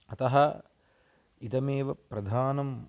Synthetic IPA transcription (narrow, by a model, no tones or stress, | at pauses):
ɐt̪ɐɦɐ | it̪ɐmeːʋɐpɾɐd̪ʱaːnɐm